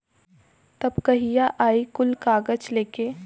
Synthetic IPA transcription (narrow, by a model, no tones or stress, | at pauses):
t̪ɐbkɐɦijaʔaːikʊlkaːɡət͡ʃleːkeː